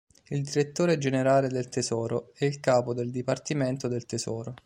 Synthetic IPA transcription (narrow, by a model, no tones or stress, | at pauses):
ild̪iɾet̪ːoːɾed͡ʒeneɾaːled̪elt̪ezɔːɾoɛilkaːpod̪eld̪ipart̪iment̪od̪elt̪ezɔːɾo